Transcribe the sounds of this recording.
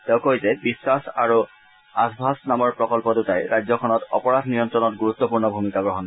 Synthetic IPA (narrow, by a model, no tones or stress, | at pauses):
teʊ̃kojzɛbisːasa̰ɹu | asbʱasnamɔɹpɹɔkɔlpɔtutajɹajzɔkʰɔnɔtɔ̰pɔɹadʱnijɔntɹɔnɔt̚ɡuɹut̪ːɔpuɹnɔbʱumikaɡɹɔɦɔn